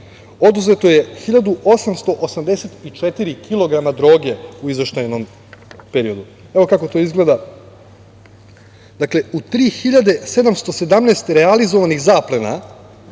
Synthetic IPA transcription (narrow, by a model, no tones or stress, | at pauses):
o̞d̪uze̞t̪o̞je̞xiʎad̪uʔo̞samst̪o̞ʔosamd̪eset̪it͡ʂet̪iɾikʰilˠo̞ɡɾamad̪ɾo̞ːɡe̞uizʋe̞ʃt̪ajnom | peɾio̞d̪u | eʋo̞kako̞t̪o̞izɡled̪a | d̪akle̞ut̪ɾiːxiʎad̪e̞se̞d̪amst̪o̞se̞d̪amneːst̪ɾealizo̞ʋanixzaːplena̰